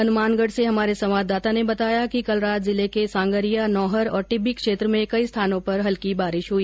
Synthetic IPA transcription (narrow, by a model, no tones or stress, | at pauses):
ɐnʊmaːnɡəɽseɦɐmaːɾesɐmaːd̪aːt̪anebɐt̪aːjakikɐlɾaːt̪zɪlekesãːŋɡəɾijanɔːɦəɾɔ̰ːɾʈɪbːɪkʃeːt̪ɾəmẽkɐist̪ʰaːnõpɐɾɦɐlkibaːɾɪʃɦʊiː